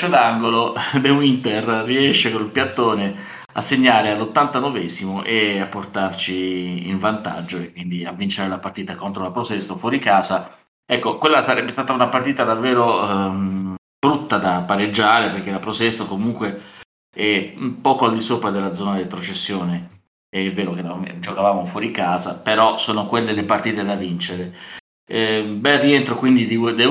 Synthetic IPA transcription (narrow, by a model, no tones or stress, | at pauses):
t͡ʃːod̪aŋɡolod̪ewint̪erriɛʃːekonilpjat̪ːoːne | a̰sːeɲːaːɾealːot̪ːant̪anovɛzimoʔeapːort̪art͡ʃiːɱvant̪a̰d͡ʒːoekːwind̪iavːint͡ʃeaɾelapart̪iːt̪akont̪ɾolapɾosɛst̪ofwɔːɾikaːza | ɛkːokwelːasaɾɛbːest̪aːt̪aunapart̪iːt̪ad̪avːeːɾo | b̥ɾut̪ːad̪apːaɾed͡ʒːaːɾeperk̟elapɾosɛst̪okomuŋkwe | ɛpːɔːkoald̪isoːpɾad̪elːad̪zːɔːnad̪et̪ɾot͡ʃesːjoːne | ɛvːeːɾoked̪ad͡ʒokavaːmofwɔːɾikaːzapeɾɔsoːnokwelːelepart̪iːt̪ed̪avint͡ʃeɾe | bɛrient̪ɾokwind̪id̪id̪e